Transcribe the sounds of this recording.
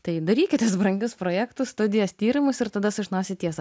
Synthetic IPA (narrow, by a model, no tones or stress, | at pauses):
t̪ɐɪd̪ɐɾʲiːkʲɪt̪ʲɛsbɾɐŋʲɡʲʊspɾoːjæːkt̪ʊsst̪ʊd̪ʲɪjɛst̪ʲiːɾʲɪmʊsɪɾt̪ɐd̪ɐsʊʒʲɪnoːsʲɪt̪ʲiɛsɐ